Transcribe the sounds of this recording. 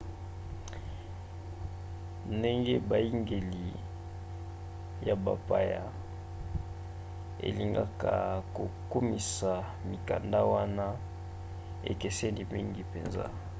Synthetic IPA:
nde˦ŋɡe˦ba˨i˦ŋɡe˨li˨ | ja˨ba˨pa˨ja˨ | ḛ˨li˨ŋɡa˦ka˨ko˨ku˦mi˨sa˨ | mi˨ka˨nda˦wa˦na˦ | ḛ˨ke˨se˦ndi˨mi˦ŋɡi˦pe˨nza̰˦

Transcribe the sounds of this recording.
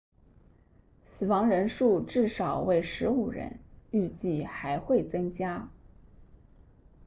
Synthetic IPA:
sɹ̩˨˩wɑ˧˥ŋɻə˧˥nʂu˥˧ʈ͡ʂɻ̩˥˩ʂɑ˨˩ʊwe˥˩ɪʂɻ̩˧˥u˨˩ɻə̰˧˥ny˥˧t͡ɕi˥˩xa˧˥ɪxwe˥˩ɪt͡sɤ˥ŋt͡ɕja˥

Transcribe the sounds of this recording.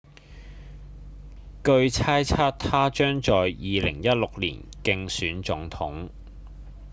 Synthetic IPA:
kɵ˧ɥt͡sʰaː˥jt͡sʰaː˥t̪ʰaː˥t͡ʃœː˥ŋt͡ʃɔː˨jjiː˨˧lɪ̰˨˩ŋjɐ˥t̚lʊ˨k̚lḭː˨˩nkɪ˧ŋsyː˨˥nt͡sʊ˨˥ŋt̪ʰʊ˨˥ŋ

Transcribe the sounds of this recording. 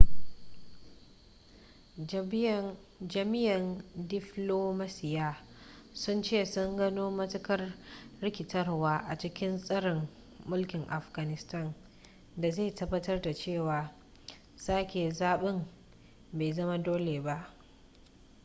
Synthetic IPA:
d͡ʒbɐ˨n | d͡ʒɐ˨mɪ˦jɐ˨ndɪ˦ɸloː˦ma˦sɪ˦jaː˦ | sʊ˦nt͡ʃeː˦˨sʊ˦ŋɡɐ˦noː˦mɐ˦tɐ˦kɐ˦rɽɪ˦kʲɪ˨tɐ˦rwaː˦ʔa˨t͡ʃɪ˦kʲɪ˦nsʼɐ˦ɽɪ˨mː | ʊ˦lkʲɪ˨ŋʔa˨ɸɡ̥a˨nɪ˦stɐ˦˨n | da˨zeː˦˨tɐ˦bːɐ˦tɐ˦rda˨t͡ʃeː˦˨waː˨ | saː˦kʲeː˨zaː˦ɓɪ˦m | beː˨zɐ˦ma˦doː˦leː˨ba˦ʔ

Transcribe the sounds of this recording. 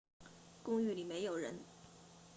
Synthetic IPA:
kʊ˥ŋy˥˩li˨˩me˧˥ɪjo˨˩ʊɻə˧˥n

